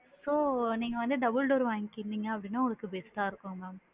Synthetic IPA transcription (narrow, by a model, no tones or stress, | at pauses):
soːniːŋɡɐʋɐnd̪ɯd̪ɐbəlɖoːɾʋaːŋkɪɾnd̪iŋɡɐɐpːɐɽɪnːaːʊŋɡɐɭɐkːɯbeːsʈaːɪɾɯkːʊ̃ŋɡɐ